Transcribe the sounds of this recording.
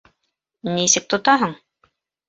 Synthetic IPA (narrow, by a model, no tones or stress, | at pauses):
nisɘk̚t̪ŏt̪ɑɦɤɴ